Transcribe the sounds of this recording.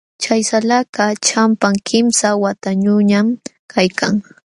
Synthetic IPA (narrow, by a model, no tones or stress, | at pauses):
t͡ʃajsalakat͡ʃampaŋkʰɪmsawat̪aɲʊɲam | kʰajkʰaŋ